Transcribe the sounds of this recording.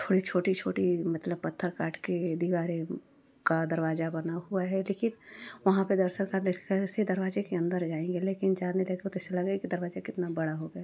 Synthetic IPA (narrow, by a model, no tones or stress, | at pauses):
t̪ʰoːɽit͡ʃʰoːʈit͡ʃʰoːʈimɐt̪ləb̚pɐt̪ʰːəɾkaːʈked̪iʋaːɾe | kad̪ɐɾʋaːzabɐnaɦuaɦɛleːkɪnʋɐɦãped̪əɾsəɾkaːɾd̪ekʰkased̪ɐɾʋaːd͡ʒekeɐ̃nd̪əɾd͡ʒaːẽŋɡeleːkɪnd͡ʒaːnelɐɡt̪et̪oɛselɐɡakid̪ɐɾʋaːd͡ʒakɪt̪nabɐɽaɦoɡa